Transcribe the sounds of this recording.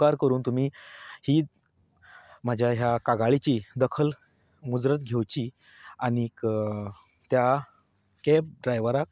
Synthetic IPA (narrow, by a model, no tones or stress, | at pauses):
aɾkəɾuːnt̪um̤iːhiː | m̤əd͡ʑʱjaɦjakaɡaɭit͡ɕiːd̪əkʰəl | mud͡zɾət̪̚ɡʱewt͡ɕiː | añik | t̪ja | kep̚ɖɾajʋəɾak̚